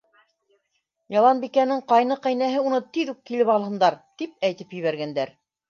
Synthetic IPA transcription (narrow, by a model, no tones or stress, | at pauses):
jɑlˠɑnbikænɘɴqɑjnɤqæjnæɦɘunɤt̪iðukkːilɘpɑlˠhɤ̆nd̪ɑɾt̪ip̚æjt̪ɘpjɵ̆βæɾɡænd̪æɾ